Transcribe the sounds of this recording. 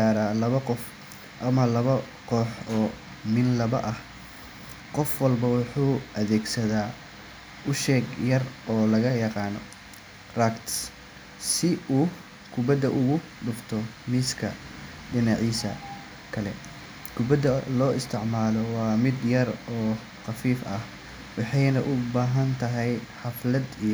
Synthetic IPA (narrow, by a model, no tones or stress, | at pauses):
aːɾaːlɐβɐqɔf | ʔɐmɐlɐβɐ | qɔːħɔː | mɪnlɐβɐ̰ʔɐh | qɔfwɐlbɐwʊħuːʔɐðɛːɡsɐðaː | ʔʊʃɛːɡjɐrɔːlɐɣɐjɑqɑːnɔ | rakt̪s | sɪuː | kʰʊbɐd̪ɐʔʊɣʊ | ɖʊft̪ʰɔ | miskʰɐ | ɖɪnɑʕiːsɐ | kʰɐlɛ̰ | kʰʊbɐd̪ɐlɔːɪst̪ʰɪʕmaːlɔwɑːmɪd̪jɐrɔː | xɑfiːfɐh | wɑħɑjnɐʔʊbaːɦɐnt̪ʰɐɦɛjħɑflɐd̪ij